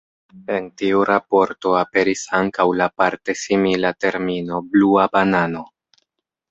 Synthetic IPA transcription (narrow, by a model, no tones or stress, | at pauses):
e̞ntiuɾapo̞ɾto̞ape̞ɾisaŋkawlapaɾte̞similate̞ɾmino̞bluabanano̞